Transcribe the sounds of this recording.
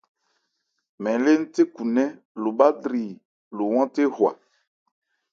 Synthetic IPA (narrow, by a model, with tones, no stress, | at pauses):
mɛ̃˨le˦n̩˦te˦ku˨nɛ̃˦ | lo˨ɓa˦dɾi˨ | lo˨wɔ̃˦te˦hwa̰˨